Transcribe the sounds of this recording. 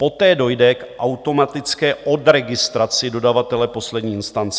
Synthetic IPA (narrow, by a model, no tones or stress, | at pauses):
po̞t̪ɛːdo̞jdɛkʔawt̪o̞mat̪ɪt͡skɛːʔo̞dɾɛɡɪst̪ɾat͡sɪdo̞davat̪ɛlɛpo̞slɛdɲiːɪnst̪ant͡sɛ